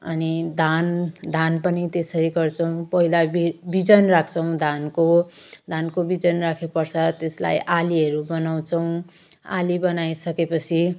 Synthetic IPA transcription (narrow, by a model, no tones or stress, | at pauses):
ʌ̰nid̪ʱand̪ʱanpʌnit̪esʌɾiɡʌrt͡sʰʌw̃pʌɦilaibid͡zʌnrak̚ʰt͡sʰʌw̃d̪ʱankod̪ʱankobid͡zʌnrakʰepʌrt͡sʰʌt̪esla̰jʔaliʌɾubʌnaw̃t͡sʰʌw̃ | a̰libʌnajsʌkepʌt͡sʰi